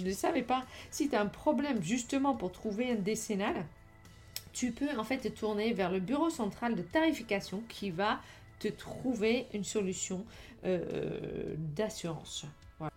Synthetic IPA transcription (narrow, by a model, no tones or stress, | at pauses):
ʒənəsavɛpasit̪yaɛ̃pχɔblɛmʒyst̪əmɑ̃puʁt̪χuveɛ̃d̪esenal | t̪ypøɑ̃fɛt̪ːət̪ʰuʁnevɛʁləbyʁosɑ̃t̪χald̪ət̪aʁifikasjɔ̃kʲʰiva | t̪ət̪χuveynsɔlysjɔ̃ | ø̰d̪asyʁɑ̰̃s | vwala